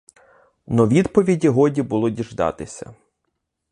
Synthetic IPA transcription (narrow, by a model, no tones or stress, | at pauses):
nɔʋʲid̪pɔʋʲidʲiɦɔdʲibʊlˠɔdʲiʒd̪ɑ̰t̪ɪsʲɐ̰